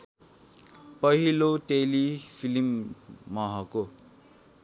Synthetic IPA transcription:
pʌɦiloʈelipʰilimːʌɦʌko

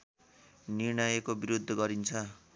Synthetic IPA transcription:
nirɳʌjekobiɾud̪ʱːʌɡʌɾint͡sʰʌ

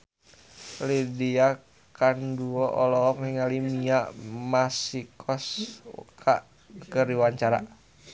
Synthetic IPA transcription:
lidia | kanduɔʔɔlɔɔkiŋalimiaʔmasikʰɔsṵkʰaʔ | kəɾiwaɲt͡ʃaɾa̰

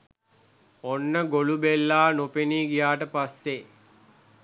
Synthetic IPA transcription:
onːəɡolubelːaːnopeniːɡijaːʈəpasːe

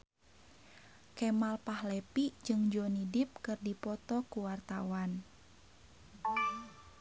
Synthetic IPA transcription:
kɛmalpahlɛpid͡ʒɨŋd͡ʒɔnidip̚kɨrdipɔt̪ɔkuwart̪awan

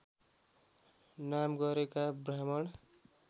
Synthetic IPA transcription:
namɡʌɾekabramʌɽ

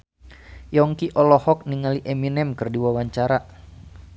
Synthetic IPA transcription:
jɔŋkiʔɔlɔhɔk̚niŋaliʔɛminɛmkərdiwawaɲt͡ʃaɾa

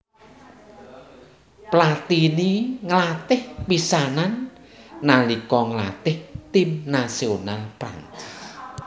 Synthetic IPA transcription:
plat̪iniŋəlat̪ɪhpisananː | alikɔŋəla̰t̪ɪht̪imnasionalpɾa̰ŋt

